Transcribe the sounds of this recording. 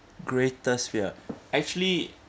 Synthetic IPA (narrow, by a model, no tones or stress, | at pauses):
ɡɹetəsfiəɛk̚t͡ʃuəli